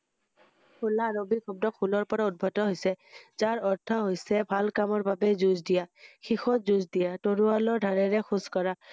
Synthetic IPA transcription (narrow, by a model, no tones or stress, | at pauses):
kʰulaːɹobikʰɔb̚dɔkʰulɔɹpɔɹaud̚bʱɔtɔɦojsɛzaɹɔɹtʰɔɦojsɛbʱalkamɔɹbabɛzuzdijaxixɔtzuzdijatoɹualɔɹdʱaɹɛɹɛxuskɔɹa